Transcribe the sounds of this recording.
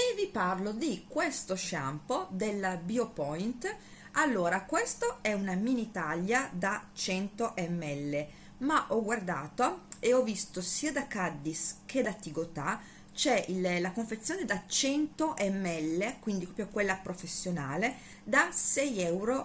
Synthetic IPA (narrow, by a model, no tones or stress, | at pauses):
evːiparlod̪ikwest̪oʃa̰mpod̪elːabiopɔjnt̪ | alːoːɾakwest̪oɛunaminit̪aʎːad̪at͡ʃɛnt̪oʔɛmːɛlːe | maʔɔɡward̪aːt̪oeɔvːist̪osiːad̪akad̪ːisk̟ʰed̪at̪ːiɡot̪a | t͡ʃɛillakoɱfet̪sːjoːned̪at͡ʃɛnt̪oʔɛmːɛlːekwind̪ipɾɔpjokwelːapɾofesːjonaːle | d̪asɛjɛwɾo